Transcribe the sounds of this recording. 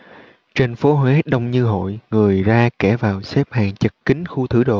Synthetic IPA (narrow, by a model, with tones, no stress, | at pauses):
t͡ɕe˧nfo˨˦ɦwe˨˦ɗə˧wŋ͡mɲɨ˧ɦo̰˧˨jŋɨ˨˩əjzaː˧kɛ˧˩vaː˨˩wsɛ˦˥p̚haː˨˩ŋt͡ɕə˨˩k̚kï˨˦ŋ̟xu˧t̪ʰɨ˧˩ɗo̰˧˨